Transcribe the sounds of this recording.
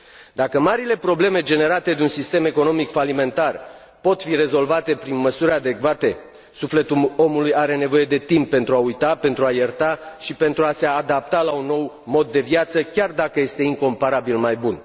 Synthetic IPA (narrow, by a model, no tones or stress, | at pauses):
d̪akəmaɾile̞pɾo̞ble̞me̞d͡ʒe̞ne̞ɾat̪e̞d̪eunsist̪e̞me̞ko̞no̞mikfalime̞nt̪ar | po̞t̪fire̞zo̞lvat̪e̞pɾinməsuɾʲad̪e̞kvat̪e̞ | sufle̞t̪uo̞mulujaɾe̞ne̞vo̞je̞d̪e̞t̪impːe̞nt̪ɾuaujt̪ape̞nt̪ɾuajert̪aʃipe̞nt̪ɾuase̞ad̪ap̚t̪alaunːo̞w | mo̞d̪ːe̞vjat̪səkʲard̪akəje̞st̪e̞iŋko̞mpaɾabilmajbun